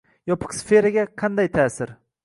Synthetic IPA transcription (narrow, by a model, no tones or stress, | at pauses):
jɒpʰɨ̥qsfe̞ɾaɡʲaqʰɑnd̪ajt̪ʰaːsɪɾ